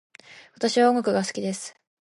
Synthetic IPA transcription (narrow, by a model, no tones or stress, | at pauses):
βat̪aɕiβaoŋɡokɯ̟ɡasɨ̥kʲid̪e̞sɨ̥